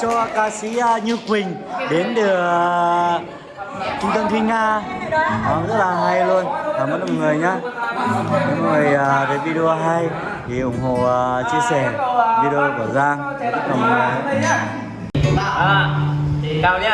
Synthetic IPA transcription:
t͡ɕɔ˧kaː˧sḭ˧˥˧ɲɨ˧kwï˨˩ŋ̟ | ɗe˨˦nɗɨ˨˩ə | t͡ɕʊ˧ŋ͡mt̪ə˧mt̪ʰi˧ŋ̟ŋaː˧ | aː˨˩nzə˦˥t̚laː˨˩ɦa˧jlu˧ənvaː˨˩mə˦˥t̚nɔ̰˨˩ŋɨ˨˩əjɲaː˧˦ | ɲɨ̰˧˥ŋŋɨ˨˩əjʔaː˨˩ɗe˨˦vi˧ɗe˧o˧ɦa˧j | t̪ʰi˨˩ʔʊ˨˧˩ŋ͡mɦo̰˧˨˩t͡ɕi˧əsɛ˧˩vi˧ɾe˧o˧ku˧˩əzaː˧ŋ̚˧˦˥a̰˨˩˨a˨˦ | a˧

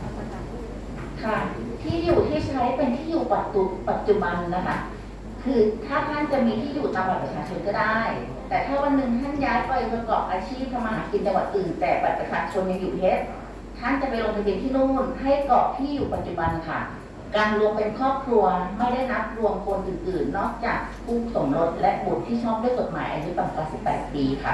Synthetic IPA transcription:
kʰa˥˩ | t̪ʰiː˥˩juː˨˩t̪ʰiː˥˩t͡ɕʰa˦˥pe˧nt̪ʰiː˥˩juː˨˩pa˨˩t̪̚ːu˧pa˨˩t̪̚t͡ɕu˧˩ba˧nːa˦˥kʰa˥˩ | kʰɯː˧t̪ʰaː˥˩t̪ʰa˥˩nt͡ɕa˨˩ʔmiː˧t̪ʰiː˥˩juː˨˩t̪aː˧mwa˨˩pɾa˧˥t͡ɕʰaː˧t͡ɕʰo˧nkɔː˥˩daː˥˩j | t̪ɛː˨˩t̪ʰaː˥˩wa˧nːɯ˨˩ŋt̪ʰa˥˩njaː˦˥jpa˧˩jkʰːkɔː˨˩p̚ʔaː˧t͡ɕʰiː˥˩p̚t̪ʰa˧ma˧ɦaː˩˦ki˧nt͡ɕa˧ŋwa˨˩t̪̚ʔɯː˨˩nt̪ɛː˨˩pa˨˩t̪̚pɾa˧˩t͡ɕʰaː˧t͡ɕʰo˧nja˧ŋjuː˨˩e˦˥t̚ | t̪ʰa˥˩nt͡ɕa˨˩pa˧jlo˧ŋt̪a˧mi˧nt̪ʰiː˥˩nuː˥˩nɦa˥˩jkɔː˨˩k̚t̪ʰiː˥˩juː˨˩pa˨˩t̪̚t͡ɕu˨˩ba˧nkʰa˥˩ | kaː˧nɾu˧əŋpe˧nkʰɔː˥˩p̚kʰɾu˧ɐma˥˩jda˥˩jna˦˥p̚ɾu˧əŋkʰo˧nʔɯː˨˩nʔɯː˨˩nːɔː˥˩k̚t͡ɕaː˨˩k̚p̪ʰuː˥˩k̚so˩˦mɾo˦˥t̪̚lɛ˦˥ʔbu˨˩t̪t̪ʰːiː˥˩t͡ɕʰɔː˥˩p̚du˥˩jko˨˩t̪ma̰ː˩˦jʔa̰˧ju˦˥pa˧˩ŋkaː˧nsi˨˩pːɛ̰ː˨˩t̪̚piː˧kʰa̰˥˩

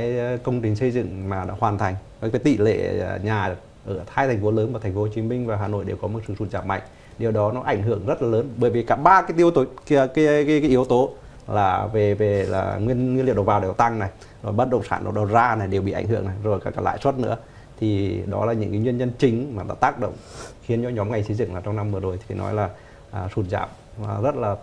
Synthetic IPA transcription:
a˨˦jkə˧wŋ͡mt͡ɕï˨˩ŋ̟sə˧jzɨ̰˧˨ŋmaː˨˩ɗa̰ː˧˥hwaː˨˩nt̪ʰa˨˩jŋ̟kːkaː˨˦t̪ḭ˧˨lḛ˧˨˧ɲaː˨˩ | ʔəː˧˩t̪ʰaː˧jt̪ʰa˨˩ŋ̟fo˨˦ləː˨˦nvaː˨˩t̪ʰŋ̟fo˨˦ho˧˩t͡ɕi˨˦mï˧ŋ̟vaː˨˩ɦaː˨˩no̰˧˨jɗe˨˩wkɔ˨˦m˨˩t̚sɨ̰˧˩su˧˩nt͡ɕaː˧˩m̚a̰˧˨ŋ̟ | ɗi˨˩əwɗɔ˨˦nɔ˨˦ʔa˧˩jŋɦɨ˧˨əŋzə˦˥t̚laː˨˩ləː˨˦nɓəː˧˩jvi˨˩kaː˧˩ɓaː˧kaː˨˦t̪i˧əwt̪o˨˦˧ka˨˦kaː˨˦kaː˨˦ʔi˨˦əwt̪o˨˦ | laː˨˩ve˨˩ve˨˩la̰ː˨˩ŋwi˧ənwi˧nli˧˨wɗwvaː˨˩ɗɔ˨˦t̪a˧ŋna˨˩j | zo˨˩jɓə˦˥t̚ɗə̰˧˨ŋ͡msaː˧˩nɗ̰ɗo˨˧˩zaː˧na˨˩jɗe˨˩wɓḭ˧˨ʔa˧˩jŋɦɨ̰˧əŋna˨˩jzo˨˩jkaː˧˩kaː˨˧˦la̰ː˧˨jswə˦˥t̚nɨ̰˧˥ə | t̪ʰi˨˩ɗɔ̰˨˦laː˨˩ɲɨ̰˧˥ŋka˨˦ŋwi˧ənɲə˧nt͡ɕï˨˦ŋ̟maː˨˩ɗa̰ː˧˥t̪aː˦˥k̚ɗə̰˧˨wŋ͡mxi˨˦ənt͡ɕɔ˨˧˦ɲɔ˨˦mŋa˨˩jsə˨˦zɨ̰˧˨ŋlaː˨˩t͡ɕɔ˧wŋ͡mna˧mvɨ˨˩əzo˨˩jt̪ʰi˨fnɔ̰˨˦jlaː˨˩ | ʔəː˨˩su˨˧˩t̚za̰ː˧˩p̚ː | zə˦˥t̚laː˨˩

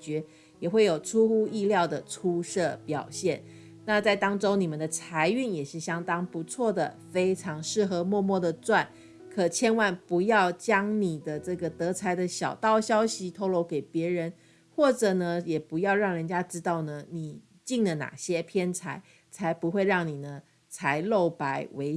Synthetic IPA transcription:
t͡ɕɥɛ˧˥ | jɛ˨˩xwe˥˩ɪjo˨˩ʊʈ͡ʂʰu˥xu˥i˥˧ljɑ˥˩ʊd̪ə˩ʈ͡ʂʰu˥ʂɤ˥˩pjɑ˨˩ʊɕjɛ˥˩n | na˥˧t͡sa˥˩ɪt̪ɑ˥ŋʈ͡ʂo˥ʊni˨˩mə˨nd̪ə˩t͡sʰa˧˥ɪy˥˩njɛ˨˩ʂɻ̩˥˩ɕjɑ˥ŋt̪ɑ˥ŋpu˧˥t͡sʰwɔ˥˩d̪ə˩fe˥ɪʈ͡ʂʰɑ˧˥ŋʂɻ̩˥˩xɤ˧˥mwɔ˥˧mwɔ˥˩d̪ə˩t͡swa˥˩n | kʰɤ˨˩t͡ɕʰjɛ˥nwa˥˩npu˧˥jɑ˥˩ʊt͡ɕjɑ˥ŋni˨˩d̪ə˦ʈ͡ʂɤ˥˩ɡə˩t̪ɤ˧˥t͡sʰa˧˥ɪd̪ə˨ɕjɑ˨˩ʊt̪ɑ˥˩ʊɕjɑ˥ʊɕi˧˦t̪ʰo˥ʊlo˧˥ʊke˨˩ɪpjɛ˧˥ɻə˧˦n | xwɔ˥˩ʈ͡ʂɤ˨˩nə˧jɛ˨˩pu˧˥jɑ˥˧ʊɻɑ˥˩ŋɻə˧˦nt͡ɕja˥ʈ͡ʂɻ̩˥t̪ɑ˥˩ʊnə˩ni˨˩ | t͡ɕi˥˩ŋd̪ə˩na̰˨˩ɕjɛ˥pʰjɛ˥nt͡sʰa˧˥ɪ | t͡sʰa˧˥ɪpu˧˥xwe˥˧ɪɻɑ˥˩ŋni˨˩nə˦ | t͡sʰa˧˥ɪlo˥˩ʊpa˧˥˦ɪwe˧˥ɪ

